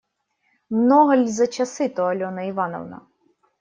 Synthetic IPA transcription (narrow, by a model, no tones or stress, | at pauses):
mnɔɦɐlʲzɐt͡ʃɐsɪt̪ɔɐlʲɔnɐiʋɑnɔ̰ʋnɐ̰